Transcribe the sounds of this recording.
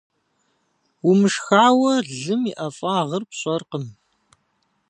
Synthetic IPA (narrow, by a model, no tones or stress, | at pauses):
wumɨʂxaːwɐɮɨmiʔɐfʼaːʁɐrpɕʼɔɐrqəm